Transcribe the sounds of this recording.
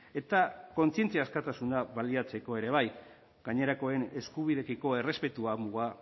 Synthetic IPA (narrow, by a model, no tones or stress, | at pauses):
e̞t̪ako̞nsie̞nt͡siaːskat̪asunaβaliat͡se̞ko̞e̞ɾe̞βaj | ɡaɲe̞ɾako̞e̞ne̞skuβ̞iðekiko̞e̞re̞spe̞t̪uamuɣa